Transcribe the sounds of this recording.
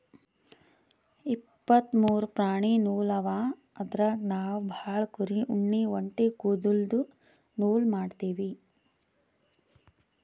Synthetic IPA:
ipːɐt̪muːɾupɾaːɳinuːlɐʋaː | ɐd̪ɾɐnaːʋbʱaːɭkuɾiʔuɳːiʋɐɳʈikuːd̪uld̪u | nuːlmaːɖt̪iːʋi

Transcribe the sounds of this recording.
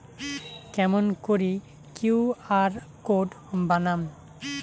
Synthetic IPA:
kɛmɔnkoɹi | kuaɹkod | banam

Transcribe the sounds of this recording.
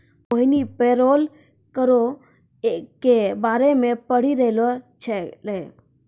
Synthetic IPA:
oɦinipeɾol | kəɾo | kebaːɾemepəɽ̤iɾəɦlot͡ʃʰɛle

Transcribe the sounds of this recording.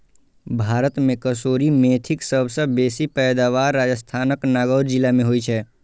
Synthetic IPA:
bʱaːɾət̪mẽkəsoːɾimeːt̪ʰɪksəbʱsəbeːsipɛːd̪aːʋaːɾːaːd͡ʒəst̪ʰaːnəknaːɡəːɾd͡ʒɪlamẽɦoit͡ʃʰɛː

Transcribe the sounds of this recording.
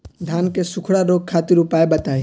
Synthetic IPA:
d̪ʱaːnkesʊkʰɽaɾoːɡ̚kʰaːt̪ɪɾupaːebɐt̪aːi

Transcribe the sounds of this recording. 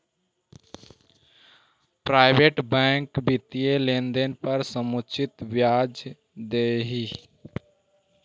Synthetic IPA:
pɾaːɪbeʈbɛ̃ŋkbit̪ijelend̪enpəɾsəmut͡ʃʰit̪bjaːd͡ʒ | d̪eɦi

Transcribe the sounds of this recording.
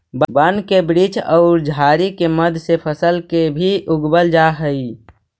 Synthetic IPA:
bbənkebɾit͡ʃɔʊɾd͡ʒʱaɾikeməd̪ʱsepʰəsəlkebʱiʔʊɡbəld͡ʒaɦəi

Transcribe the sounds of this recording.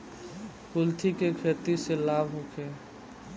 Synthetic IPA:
kʊlt̪ʰikekʰeːt̪iselaːbʱɦokʰeː

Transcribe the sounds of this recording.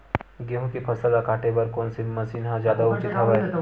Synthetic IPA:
ɡeɦõkipʰɐsəlakaːʈʰebɐɾkoːnsemɐsiːnɦãzjaːd̪aʊt͡ʃɪt̪ɦɐʋaɛ

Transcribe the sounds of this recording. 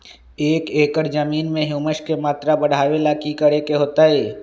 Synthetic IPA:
eːkeːkəɾd͡ʒəmiːnmẽɦuməʃkemaːt̪ɾabəɽ̤aːʋelakikəɽekeɦoːt̪aɦeː

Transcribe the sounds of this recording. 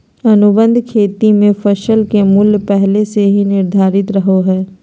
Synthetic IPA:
ɐnʊbə̃nd̪ʱkʰeːt̪imẽfɐʃəlkemʊljpɛɦleseɦinɪɾd̪ʱaːɾɪt̪ɾɐɦoɦɛː

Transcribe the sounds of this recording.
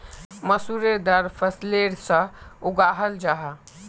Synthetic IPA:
məsuɾed̪əɾpʰəsleɾsə̃uɡaɦəld͡ʒaɦɛ

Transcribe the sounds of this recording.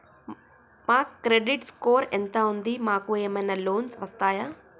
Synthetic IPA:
maːkːɾeɖiʈskoːɾent̪ɐund̪imaːkueːmɐjnɐloːnsʋɐst̪aːjaː

